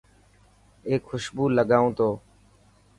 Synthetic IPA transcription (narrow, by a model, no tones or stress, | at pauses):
eːkʰxʊʃbuːləɠaːũːt̪oː